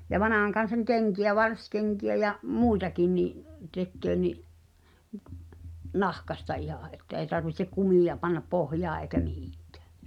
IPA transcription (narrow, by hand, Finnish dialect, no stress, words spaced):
jɑ ʋɑnɑˑhɑŋkɑn̞sɑŋ keŋkiæ ʋɑrskeŋkiæ jɑʔ muˑitɑkin niʔ tekːøː niʔ nɑhkɑstɑ ihɑˑ ʔetːæ ei̞ tɑrʋihtek kumiˑjɑ pɑnːɑp pohjɑː eˑi̞kæ mihi̥ˑŋ̊kæ̥ː